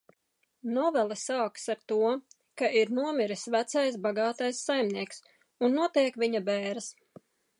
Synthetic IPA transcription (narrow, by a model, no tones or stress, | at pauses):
nɔvɛlˠɛsaːksaɾt̪uɔ | kaʔiɾnuɔmiɾisvæt̪sajs̬baɡɑːt̪ajsːajmniɛks | unːuɔt̪iɛkvʲiɲabɛːɾɨs